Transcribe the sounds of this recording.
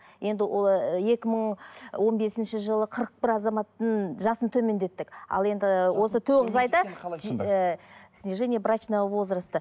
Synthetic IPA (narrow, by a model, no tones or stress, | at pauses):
je̞nd̪ɪje̞kʲɪməɴwo̞nbe̞sɪnʃɪʒəlˠəqʰəɾəq̚bɪɾɑzɑmɑt̪ːəɴʒɑsənt̪ʰɵme̞nd̪e̞t̪ːɪkɑ̰lˠe̞nd̪ɪwo̞sət̪ʰɵwʁəzɑjd̪ə | sʲnʲeʒenʲijabɾat͡ʃnavo̞zɾəst̪ə